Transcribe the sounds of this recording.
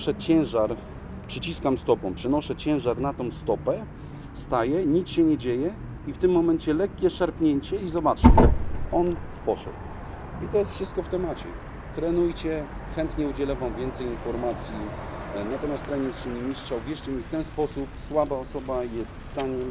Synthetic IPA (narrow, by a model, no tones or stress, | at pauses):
ʂɛt͡ɕɛw̃ʐaɾ | pʂɘt͡ɕiskamst̪ɔpɔ̃w̃mpʂɛnɔʂɛt͡ɕɛ̃w̃ʐaɾnat̪ɔ̃w̃st̪ɔpɛ | st̪ajɛɲit͡sɕɛɲɛd͡ʑejɛ | ift̪ɘmːɔmɛɲt͡ɕɛlɛkʲːɛʂaɾpɲɛɲt͡ɕɛizɔbat͡ʂɘɔn | pɔʂɛ̰d̪w | it̪ɔjɛst̪fʂɨst̪kɔft̪ɛmat͡ɕɛ̰ | t̪ɾɛnujt͡ɕɛxɛnt̪ɲɛud͡ʑɛlɛvamvʲjɛnt̪sɛjinfɔɾmat̪sʲjinat̪ɔmʲjast̪ɾɛɲikʂɘmɲimʲiʂt͡ʂauvʲjɛʂt͡ɕɛmʲift̪ɛnspɔsupswabaɔsɔbajɛst̪fst̪aɲɛ